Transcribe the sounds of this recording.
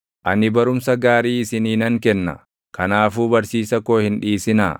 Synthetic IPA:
ʔɐnɪbɐɾʊmsɐɡaːɾiːɪsɪniːnɐŋkɛnːɐ̰ | kɐnaːfuːbɐɾsiːsɐko̞ːhɪnᶑiːsɪna̰ː

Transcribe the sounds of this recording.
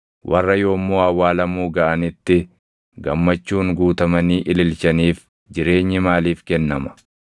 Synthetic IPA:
wʔɐ̰rːɐjo̞ːmːoːɐwaːlɐmuːɡɐʔɐnɪt̪ːɪ | ɡɐmːɐt͡ʃːuːŋɡuːt̪ɐmɐniːʔɪlɪlt͡ʃɐniːf | d͡ʒɪɾe̞ːɲːɪmaːliːfkɛnːɐmɐ̥

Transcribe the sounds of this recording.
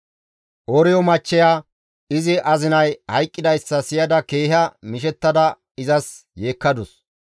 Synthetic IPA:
ʔɔɾɪjɔmɐt͡ʃːɛjaː | ɪzɪʔɐzɪnɐjhɐjkʼːɪd̪ɐjsːɐsɪjɐd̪ɐkeːɦɐmɪʃ̬ɛt̪ːɐd̪ɐ | ɪzɐsje̞ːkːɐd̪ʊs

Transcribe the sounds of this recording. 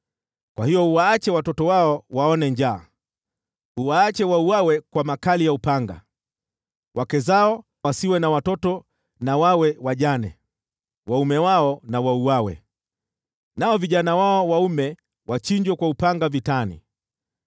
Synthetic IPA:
kwʔahijɔuwaːt͡ʃɛwatɔtɔwaɔwaɔnɛɲd͡ʒaː | uwaːt͡ʃɛwauwawɛkwamakalijaupaŋɡa̰ | wʔakɛzaɔ | wasiwɛnawatɔtɔ | nawawɛwaʄanɛ | waumɛwaɔnawauwawɛ̰ | naɔviʄanawaɔwaumɛ | wat͡ʃiɲd͡ʒwɛkwaupaŋɡavitanḭ

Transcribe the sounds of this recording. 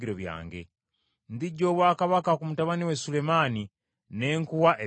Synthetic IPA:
iɾo̞βja̰ːŋɡe̞̰ | ndiɟːo̞ːβwaːkaβakakumutaβaniwe̞sule̞maːni | ne̞ːŋkuwaʔe

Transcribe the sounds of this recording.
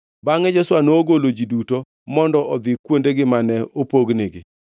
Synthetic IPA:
baŋɛd͡ʒɛswanoːɡolod͡ʒiduto | mɔndɔʔɔd̪ɪkwondeɡɪmanɛopoɡneɡɪ

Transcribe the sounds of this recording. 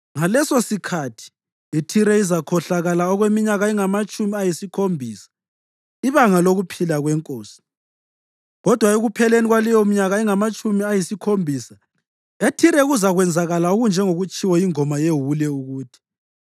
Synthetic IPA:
ŋalɛsosikʰatʰi̥ | itʰiɾɛizakʰɔɬaɣalaɔɣwemiɲaɣaiŋamat͡ʃʼumiajisikʰombʱiːsḁ | iβaŋaloɣupʰilaɣwɛŋkʼoːsi̥ | ɣɔd̥ʱwaeɣupʰɛleniɣwalijom̩ɲaɣaiŋamat͡ʃʼumiajisikʰombʱiːsa | etʰiɾɛɣuzaɣwɛnd͡zʱaɣalaoɣund͡ʒʱɛŋoɣut͡ʃʼiwɛjiŋɔmajeɦulɛuɣuːtʰi̥

